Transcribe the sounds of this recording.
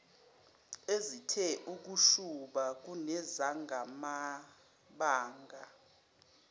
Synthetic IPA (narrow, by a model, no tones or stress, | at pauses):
ezitʰɛʔuk̬uʃuɓak̬unɛzaŋɡʱama | ɓaːŋɡʱa